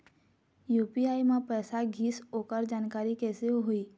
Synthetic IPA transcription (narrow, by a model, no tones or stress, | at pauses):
juːpiaːimãpɛːsaɡʱiːsoːkəɾd͡ʒaːnkaːɾikɛːseoɦoiː